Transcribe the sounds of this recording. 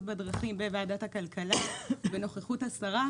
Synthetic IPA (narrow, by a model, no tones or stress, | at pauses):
bedʁɑχimbevaːdathakalkalabeno̞χeχuthasaʁa